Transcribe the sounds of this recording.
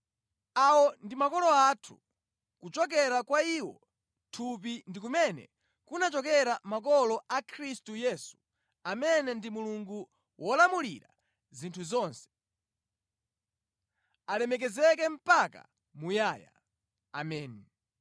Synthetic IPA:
awɔndimakɔlɔatʰu | kut͡ʃɔk̬ɛɾakwaiːwɔ | tʰup̬indikumɛnɛ̰ | kunat͡ʃɔkɛɾamakɔlɔʔakʰɾistujɛːsu̥ | amɛnɛndimuluŋɡu | wɔlamuliɾa̰ | zintʰuzɔːnsɛ̥ | alɛmɛk̬ɛzɛk̬ɛm̩paka̰ | mujaːja̰ | a̰mɛːni

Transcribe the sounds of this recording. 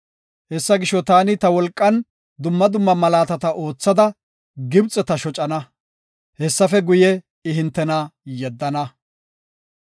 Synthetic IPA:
hɛsːɐɡɪʃːɔt̪aːnɪt̪ɐwɔlkʼːɐn | d̪ʊmːɐd̪ʊmːɐmɐlaːt̪ɐt̪ɐʔo̞ːt͡sːɐd̪ɐ | ɡɪbt͡sʼːɛt̪ɐʃɔt͡ʃʼɐnɐ | hɛsːɐfɛɡʊjɛ | ɪɦɪnt̪ːɛnajɛd̪ːɐnɐ

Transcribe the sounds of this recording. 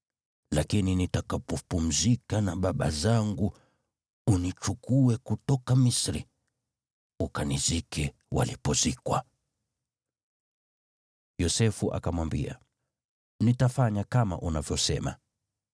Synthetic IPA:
lakininitakapɔpum̩zikanaɓaɓa̰zaŋɡu | unit͡ʃukuɛkutɔkamisɾi | ukanizikʰɛ | wa̰lipɔzikwa̰ | jɔsɛfuʔa̰kamwambia̰ | nitafaɲakama̰ʔunavjɔsɛma̰

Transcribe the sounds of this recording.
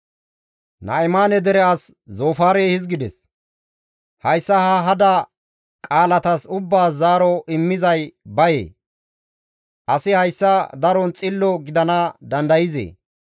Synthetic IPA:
nɐ̰ɪmaːnɛd̪ɛɾɛas | zoːfaːɾeːhɪzɡɪd̪ɛs | hɐjsːɐhɐɦɐd̪ɐ | kʼaːlɐt̪ɐsʊbːaːzaːɾɔʔɪmːɪzɐjbɐjḛː | ʔɐsɪhɐjsːɐd̪ɐɾɔnt͡sʼɪlːɔɡɪd̪ɐnɐd̪ɐnd̪ɐjɪzḛː

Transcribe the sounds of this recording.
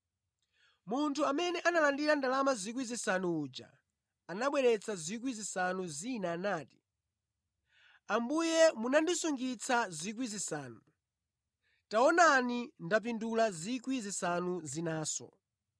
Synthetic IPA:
muntʰuamɛnɛʔanalandiɾandalamazikwizisanuːd͡ʒa̰ | anaɓwɛɾɛt͡sʰazik̬wizisanuzinaːnaːti̥ | ambujɛmunandisuŋɡit͡sʰazik̬wizisaːnu | taɔnanindap̬indulazikwizisanuzinaːsɔ̰

